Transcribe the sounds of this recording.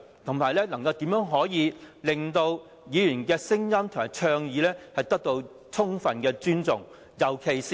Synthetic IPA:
t̪ʰʊ˨˩ŋmaː˨˩jlɛː˥lɐ˨˩ŋkɐ˧wt̪iː˨˥mjœː˨˥ŋɦɔː˨˥jiː˨˧lɪ˨ŋt̪o˧w | jiː˨˧jyː˨˩nkɛː˧sɪ˥ŋjɐ˥mt̪ʰʊ˨˩ŋmaː˨˩jt͡ʃʰœː˧ŋjiː˨˧˥lɛː˥hɐ˨jt̪ɐ˥k̚t̪o˧w | t͡sʰʊ˥ŋfɐ˨nkɛː˧t͡ʃyː˥nt͡sʊ̰˨ŋ | jɐ˨˩wkʰe˨jsi˨

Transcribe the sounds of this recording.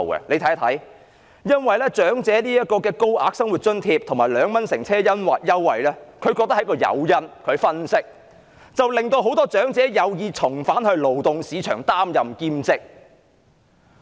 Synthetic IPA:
ɛ̰˨le˨˧jt̪ʰɐ˨˥jt̪ʰɐ˨˥j | jɐ˥nwɐ˨jlɛː˥t͡ʃœː˨˥ŋt͡sɛː˨˥niː˥jɐ˥t̚kɔː˧kɛː˧ko˥wʔaː˧k̚sɐ˥ŋwu˨t̚t͡ʃɵ˥nt̪ʰiː˧p̚t̪ʰʊ˨˩ŋmaː˨˩lœː˨˧ŋmɐ˥nsɪ˨˩ŋt͡sʰɛː˥jɐ˥nwɐ̰˨t̚jɐ˥wːɐ̰˨jlɛː˥kʰɵ˨˧ɥkɔː˧k̪̚ɐ˥hɐ˨˥kɔː˧jɐ̰˨˧wjɐ˥nkʰɵ˨˧ɥfɐ˥nsɪ˥k̚ | t͡sɐ˨wlɪ˨ŋt̪o˧wɦo˨˥wt̪ɔː˥t͡ʃœː˨˥ŋt͡sɛː˨˥jɐ˨˧wjiː˨˧t͡sʰʊ˨˩ŋfaː˨˥nhɵ˧ɥlo˨wt̪ʊ˨ŋsiː˨˧t͡ʃʰœ̰ː˨˩ŋt̪aː˥mjɐ˨mkiː˧mt͡sɪ˥k̚

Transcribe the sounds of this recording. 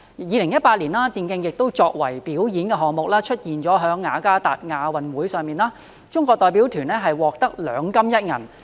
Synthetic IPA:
jiː˨˧lɪ˨˩ŋjɐ˥t̚paː˧t̚liː˨˩nlaː˥t̪iː˨˧nkɪ˧ŋjɪ˨k̚t̪o˥wt͡ʃɔː˧k̚wɐ̰˨˩jpiː˨˥wjiː˨˥nkɛ˧ɦɔː˨ŋmʊ˨k̚laː˥t͡ʃʰɵ˥t̚jiː˨nt͡ʃɔː˨˥ɦœː˨˥ŋːaː˨˧kaː˥t̪aː˨t̚ŋaː˨˧wɐ˨nwuː˨˥jsœː˨˧ŋmiː˨naː˥ | t͡ʃʊ˥ŋkʷɔː˧k̚t̪ɔː˨˧jp̬iː˨˥wt̪ʰyː˨˩nɛː˥ɦɐ˨jwɔː˨k̚t̪ɐ˥k̚lœː˨˧˥ŋkɐ˥mjɐ˥t̚ŋɐ̰˨˩n

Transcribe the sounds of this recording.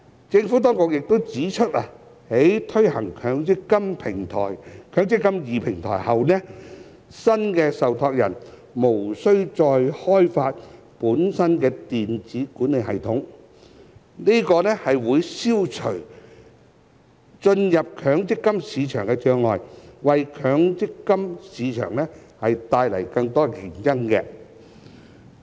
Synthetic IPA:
t͡sɪ˧ŋfuː˨˥t̪̬ɔː˥ŋkʊ˨k̚jɪ˨k̚t̪o˥wt͡siː˨˥t͡ʃʰɵ˥t̚a˧ | he˨˥jt̪ʰɵ˥ɥhɐ˨˩ŋkʰœː˨˥ŋɪ˥kːɐ˥mpʰɪ˨˩ŋt̪ʰɔ̰ː˨˩jkʰœː˨˥ŋt͡sɪ˥kːɐ˥mjiː˨pʰɪ˨˩ŋt̪ʰɔ̰ː˨˩jhɐ˨wnɛ˥ | sɐ˥nkɛː˧sɐ˨wt̪ʰɔː˧k̚jɐ̰˨˩n | mo˨˩wsɵ˥ɥt͡sɔː˧jhɔː˥jfaː˧t̚ | puː˨˥nsɐ˥nkɛː˧t̪iː˨nt͡siː˨˥kuː˨˥nle˨˧jhɐ˨jt̪ʰʊ˨˥ŋ | ni˥kɔː˧nɛ˥hɐ˨jwuː˨˧jsiː˥wt͡ʃʰɵ˨˩ɥ | t͡ʃɵ˧njɐ˨p̚kʰœː˨˧˥ŋt͡sɪ˥kːɐ˥msiː˨˧t͡ʃʰœ̰ː˨˩ŋkɛ˧t͡ʃœː˧ŋlɔː˨jwɐ˨jkʰœː˨˥ŋt͡sɪ˥kːɐ˥msiː˨˧t͡ʃʰœ̰ː˨˩ŋnɛ˥hɐ˨jt̪aː˧jlɐ̰˨˩jkɐ˧ŋt̪ɔː˥jɪ˨˩ŋjɐ˥ŋkɛ̰˧

